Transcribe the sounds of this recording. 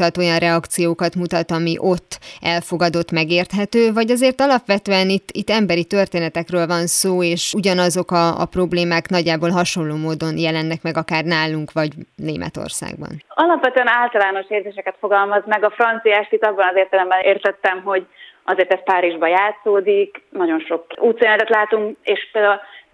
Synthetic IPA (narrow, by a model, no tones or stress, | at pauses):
ɒt̪o̞jɒnrʔɛɒkt̪sijoːkɒt̪mut̪ɒt̪ɒmiʔo̞t̪ːɛlfo̞ɡɒd̪o̞t̪mɛɡeːrt̪ɦɛt̪øːvɒɟɒzeːrt̪ɒlɒpʋɛt̪øːɛnit̪ːit̪ːɛmbɛɾit̪ø̞rt̪eːnɛt̪ɛkrøːlvɒnsoːeːʃuɟɒnɒzo̞kɒ̰ːpro̞bleːmaːknɒɟːaːboːlɦɒʃo̞lloːmoːd̪o̞njɛlɛnːɛkmɛɡɒkaːrnaːluŋkʋɒɟnḛːmʔɛ̰t̪o̰rsa̰ːɡ̚bɒ̰nɒlɒpʋɛt̪øɛnaːlt̪ɒlaːno̞ʃeːrzeːʃɛkɛt̪fo̞ɡɒlmɒzmɛɡɒfrɒnt̪sijaːʃt̪it̪ːɒbːɒnɒzeːrt̪ɛlɛmbɛneːrt̪ɛt̪ːɛmɦo̞ɟʔɒzeːrt̪ɛst̪̚paːɾiʒbɒjaːt̪soːd̪iknɒɟo̞nʃo̞kuːt̪senɛt̪ɛt̪laːt̪uŋkeːʃpeːld̪aːul